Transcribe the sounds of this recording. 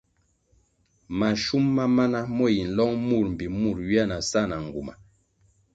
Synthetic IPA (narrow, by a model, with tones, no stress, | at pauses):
ma˨ʃu˦mːa˦ma˦na˦mɔ˦˨ji˨n̩˨lɔ˦ŋmu˦˨ɾm̩˨bi˨mu˦˨ɾɥi˦a˦˨na˨sa˦˨na˨ŋ˨ɡu˨ma̰˨